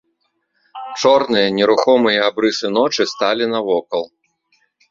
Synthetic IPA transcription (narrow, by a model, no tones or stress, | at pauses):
t͡ʂɔrnɨjɐnʲɛɾuxɔmɨjɐabɾɨsɨnɔt͡ʂɨst̪alʲinɐvɔkɐlˠ